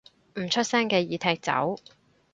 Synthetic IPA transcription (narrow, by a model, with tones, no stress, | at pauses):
m̩˨˩t͡ʃʰɵ˥t̚sɛː˥ŋkɛː˧jiː˨˧t̪ʰɛː˧k̚t͡sɐ̰˨˥w